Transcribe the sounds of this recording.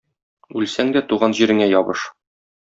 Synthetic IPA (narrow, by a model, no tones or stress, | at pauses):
ʉlsæŋd̪æt̪uʁɑnʑiɾɘ̆ŋæjɒbɤʃ